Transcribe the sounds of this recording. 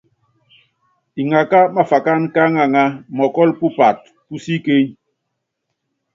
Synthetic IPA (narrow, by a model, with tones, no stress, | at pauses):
i˨ŋa˨ka˦ma˦fa˨ka˦nka˦ŋa˨ŋa˦mɔ˨kɔ˦lpu˦pa˨t̚ | pu˦si˦ke˦ɲ